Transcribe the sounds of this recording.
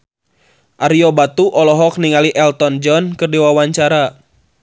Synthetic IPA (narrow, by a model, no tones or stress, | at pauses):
ʔaɾiɔbat̪uʔɔlɔɦɔk̚niŋaliʔɛlt̪ɔnd͡ʒɔnkɨrdiwawaɲt͡ʃaɾa